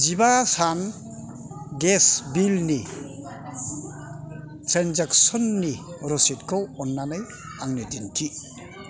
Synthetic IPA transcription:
zibasan | ɡesbilni | tɾenzak̚sɔnːi | ɾɔsitkʰɔwɔnːanaj | aŋnitintʰi

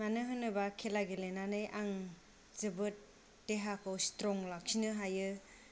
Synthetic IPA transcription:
manɯɦɯnɯbakʰelaɡelenanɯjʔaŋ | z̥ɯbɯt̚ː | eɦakʰɯwstɾɔŋlak̚sinɯɦajɯ

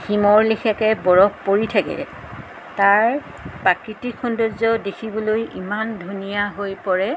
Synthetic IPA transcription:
ximɔɹlixɛkɛbɔɹɔkpoɹitʰakɛ̰ | taɹ | pakɹitikʰundozɔdekʰibɔlojimandʱunijaɦojpɔɹɛ

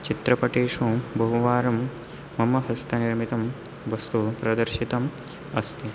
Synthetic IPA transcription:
t͡ʃit̪ɾɐpɐʈeːʂuːbɐɦuʋaːɾɐmː | ɐmɐɦɐst̪ʰɐniɾmit̪ɐm | ʋɐst̪upɾɐd̪ɐɾʃit̪ɐm | ɐst̪ʰi

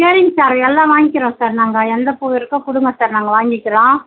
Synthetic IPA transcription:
keːɾɪŋsaːɾɛlːãːʋaːŋɡɪkːɪɾõːsaːɾnaːŋɡɐɛnd̪ɐpuːʋɪɾɯkːɐ̃kʊɽʊŋɡɐ̃saːɾnaːŋɡɐʋaːŋɡɪkʲːɪɾõː

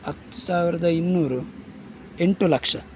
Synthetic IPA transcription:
ɐt̪ːu̥saːʋiɾɐd̪ɐinːuːɾu | e̞ɳʈulɐkʂɐ

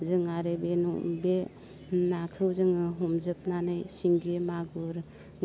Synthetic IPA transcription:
zɯŋaɾebenṵbe | nakʰɯwzɯŋɯɦɔmzɯp̚nanɯjsiŋɡemaɡɯɾ | ŋ

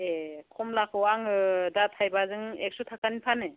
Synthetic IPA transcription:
ekʰɔmlakʰɯwaŋɯdatʰajbazɯŋek̚sutʰakanipʰane

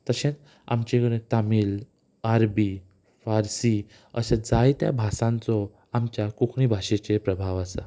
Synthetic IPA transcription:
t̪əɕẽt̪ | a̰mt͡ɕekəɽẽt̪amiːl | aɾbi | faɾsi | əsed͡zajt̪ja̰bʱasãnt͡sɔ | amt͡ɕjakukʰɳibʱaɕet͡ɕepɾəbʱaʋasa̰

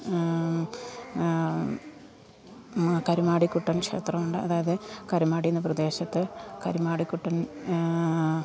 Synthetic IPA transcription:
kɐɾumaːɽikʲːuʈːɐnkʂḛːt̪rɐmuɳɖɨɐ̰ðaːjɐðɨkɐɾumaːɽijunːɨprɐd̪e̞ːɕɐt̪ːɨkɐ̰ɾumaːɽikʲːuʈːɐn

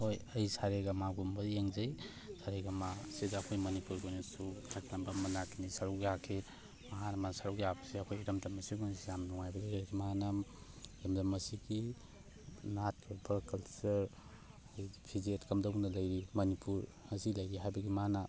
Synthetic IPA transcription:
hojɐjsaɾeɡɐmaɡumbɐjeŋzɐj | saɾeɡamasidaɐkʰojmɐnipuɾɡojnɐsutʰakʰlɐmbɐmɐnakʰinisaɾuwɡjakʰe | maɦanɐmansaɾuwɡjabɐsiɐkʰojɾɐmdɐmɐsiɡunsjamnuŋajbɐɡieɾkʰimanam | ɾɐmdɐmɐsiɡi | nat̚kʰabʰɐkɐlsɐɾ | kʰojpʰizetkɐmdɐwnɐlɐjɾimɐnipuɾɐsilɐjɾiɦajbɐɡimana

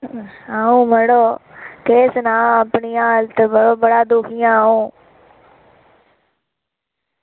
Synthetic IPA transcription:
aːũːməɽoːkeːsnãːəpnijãːlt̪əbəɽoːbəɽad̪ʊkʰijãũː

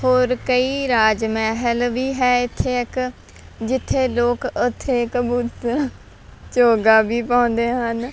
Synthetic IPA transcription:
hoːɾkəiːɾaːd͡ʒmɛːɦəlʋiːɦɛːɪt̪ʰːeːɪk | d͡ʒɪt̪ʰːeːloːkʊt̪ʰːeːɪkbut | t͡ʃoːɡaːbiːpaːnd̪eːɦən

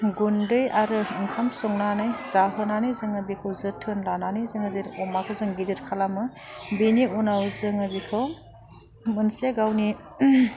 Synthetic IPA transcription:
ɡundɯjaɾɯɯŋkʰamsɔŋnanɯjzaɦɯnanɯjzɯŋɐbikʰɯwzɯtʰɯnlananɯjzɯŋɐzeɾɔmakʰɯzɯŋɡidɯɾkʰalamɯbeniɔnawzɯŋɐbikʰɯw | mɐnsijaɡawni

